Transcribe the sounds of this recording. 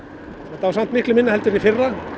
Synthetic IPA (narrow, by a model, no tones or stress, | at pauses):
θat̪ːavasam̥t̪mɪhklɪmɪnːahɛlt̪ʏɾifɪrːa